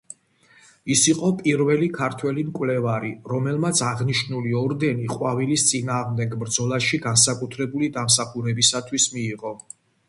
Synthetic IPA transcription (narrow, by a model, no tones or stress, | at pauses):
isiqʼɔpʼiɾvɛlikʰaɾt̪ʰwɛlimkʼwlɛvaɾiɾɔmɛlˠmat̪sʰaʁniʃnuliɔɾd̪ɛniqʼwavilist̪sʼinaːʁmd̪ɛɡbɾd̪zɔlˠaʃiɡansakʼut̪ʰɾɛbulid̪ams̬aχuɾɛbisat̪ʰwismiːʁɔ